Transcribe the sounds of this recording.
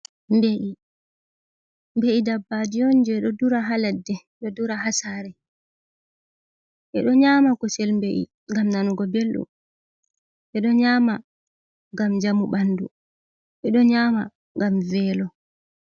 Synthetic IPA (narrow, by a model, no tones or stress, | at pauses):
mbeʔi | mbeʔidabːad͡ʒijɔɲd͡ʒɛɗɔduɾaɦaladːɛ | ɗɔduɾaɦasaɾɛ | ʔɛɗɔɲaːmakɔsɛlmbeʔḭ | ŋɡamnanuɡɔbelɗṵ | ʔɛɗɔɲaːma | ŋɡamd͡ʒamuɓandu | ʔɛɗɔɲaːma̰ | ŋɡamvɛːlɔ